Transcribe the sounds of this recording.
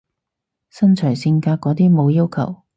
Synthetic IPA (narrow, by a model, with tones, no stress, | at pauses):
sɐ˥nt͡ʃʰœː˨˩jsi˧ŋkaː˧kːɔː˨˥t̪̬iː˥mo˨˧wjiː˥wkʰɐ˨˩w